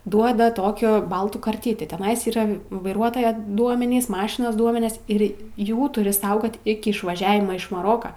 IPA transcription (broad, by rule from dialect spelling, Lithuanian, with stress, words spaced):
ˈduɔdɐ ˈtoːkʲoː ˈbɐlˠtuː kɐrʲˈtʲɪtʲiː tʲɛˈnɐɪs iːˈrɐ ʋɐɪˈruɔtoːjɛ ˈduɔmʲɛnʲiːs ˈmɑːʃʲɪnoːs ˈduɔmʲɛnʲɪs ˈɪr ˈjuː tʊˈrʲɪ ˈsɐʊɡoːt ˈɪkʲɪ ɪʃʋɐˈʒʲæːʋʲɪmɐ ɪʃ mɐˈroːkɐ